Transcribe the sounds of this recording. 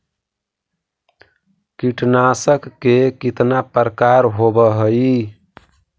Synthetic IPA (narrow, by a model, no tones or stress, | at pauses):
kiʈnasəkːekit̪napəɾəkaɾɦobəɦəi